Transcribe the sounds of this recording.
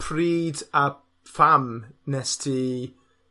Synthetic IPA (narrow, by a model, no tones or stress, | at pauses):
pʰriːda | famnɛstʰi